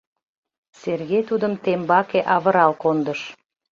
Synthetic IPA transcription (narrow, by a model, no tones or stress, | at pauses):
serɣejt̪ud̪əmt̪embɑkeʔɑβəɾɑlkond̪əʃ